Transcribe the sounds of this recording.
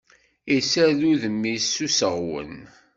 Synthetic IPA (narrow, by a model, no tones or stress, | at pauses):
isæðuðəmːisːusəʁwə̰n